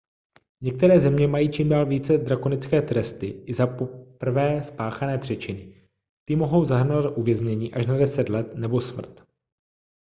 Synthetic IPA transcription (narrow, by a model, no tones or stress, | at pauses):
ɲɛk̚t̪ɛɾɛːzɛmɲɛmajiːt͡ʃiːmdaːlviːt͡sɛd̪ɾakonɪt͡skɛːt̪ɾɛst̪ɪɪzapopr̩vɛːspaːxanɛːpr̝̥ɛt͡ʃɪnɪ | t̪ɪmoɦo̞wzaɦr̩novat̪ʔuvjɛzɲɛɲiːʔaʃnadɛsɛt̪lɛt̪nɛbo̞smr̩t̪